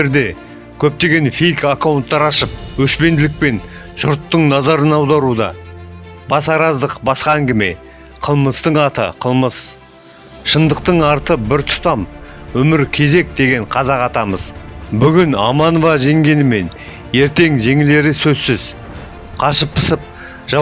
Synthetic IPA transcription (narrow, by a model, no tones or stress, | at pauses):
eɾd̪e̞ | kʲʰɵp̚t̪e̞ɡʲe̞nfijkakawʊnt̪ːɑɾɑʃəp̚wɵʃpe̞nd̪ɪlɪk̚pe̞n | ʒ̥ʊɾt̪ːəɴnɑzɑɾənɑwd̪ɑɾud̪ɑ̰ | bɑsɑɾɑzd̪əqbɑsqɑæŋɡʲɪme̞̰ | qʰəlˠməst̪əɴɑt̪ə̰qʰəlˠməs | ʃənd̪əq̚t̪əɴɑɾt̪əbɪɾt̪ʰʊ̥t̪ɑmwɵmɪɾkʲʰe̞ze̞k̚d̪e̞ɡʲe̞ɴqʰɑzɑqɑt̪ɑməzbʏɡʲɪnɑ̰mɑnovɑʒe̞ŋɡʲe̞nɪme̞n | e̞ɾt̪e̞ŋʒe̞ŋɪle̞ɾɪsɵzsɪz̥ | qʰɑʃəpʰːə̥səp̚ | ʒ̥ɑ